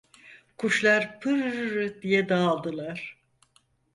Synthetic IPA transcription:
kʰuʃlˠaɾpʰɯɾːɯd̪ijɛd̪aːlˠd̪ɯlˠaɾ̥

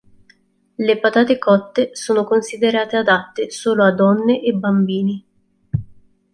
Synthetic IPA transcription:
lepat̪aːt̪ekɔt̪ːesoːnokonsid̪eɾaːt̪ead̪at̪ːesoːload̪ɔnːeʔebːambiːni

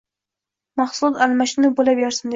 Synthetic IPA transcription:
mɑχsʊd̪almaʃɪnɪbolabjɒɾsɪmd̪

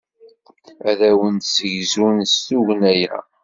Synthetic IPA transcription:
æðæwənt̪səʝzunstuʝnæjæ̰

